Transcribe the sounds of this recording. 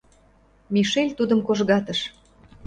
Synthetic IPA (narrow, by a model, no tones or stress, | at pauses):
miʃelʲt̪ud̪ə̆mkoʒɣɑt̪ə̆ʃ